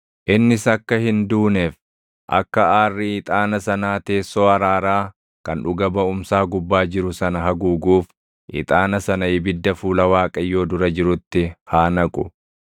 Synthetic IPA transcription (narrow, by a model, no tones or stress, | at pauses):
ʔɪnːɪsɐkːɐhɪnd̪uːnɛf | ʔɐ̰kːɐaːrːɪiːt̪ʼaːnɐsɐnaːt̪e̞ːsːo̞ːɐɾaːɾaː | kɐnᶑʊɡɐbɐʊmsaːɡʊbːaːd͡ʒɪɾʊsɐnɐɦɐɡuːɡuːf | ʔɪ̰t̪ʼaːnɐsɐnɐɪbɪd̪ːɐfuːlɐwaːkʼɐjːo̞ːd̪ʊɾɐd͡ʒɪɾʊt̪ːɪhaːnɐkʼʊ